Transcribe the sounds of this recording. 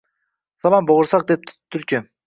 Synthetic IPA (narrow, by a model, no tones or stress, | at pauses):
sɑlˠɑmboʁʊɾsɑq̚d̪e̞p̚t̪ʰt̪ʰːyɾt͡ʃy